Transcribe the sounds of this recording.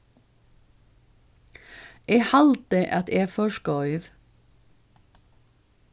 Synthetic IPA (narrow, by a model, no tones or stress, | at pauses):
ʔeːhɑlt̪əʔɑt̪eːfɔʃkœʏʋ